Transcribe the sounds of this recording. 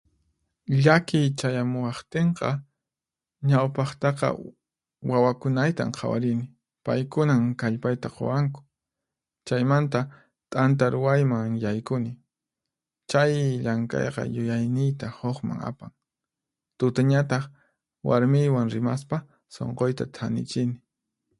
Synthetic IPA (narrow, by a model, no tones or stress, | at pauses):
ʎakɪjt͡ʃajamʊwɑχt̪eɴqɑ | ɲawpɑχt̪ɑqɑ̰ | wawakʊnajt̪a̰mqʰɑwa̰ɾɪnɪ | pajkʊnaŋkaʎpajt̪aqo̰waŋkʊ̥ | t͡ʃajmant̪̬a | t̪ʼant̪̬aɾʊwajmaŋjajkʊnɪ | t͡ʃajʎaŋkɑ̰jqɑ̰jʊjajnɪjt̪ahoχma̰ŋa̰pa̰ŋ | t̪ʊt̪aɲat̪ɑχ | wa̰ɾmɪjwaŋɾɪmaspa | so̰ɴqojt̪a̰t̪ʰanɪ̰t͡ʃɪnɪ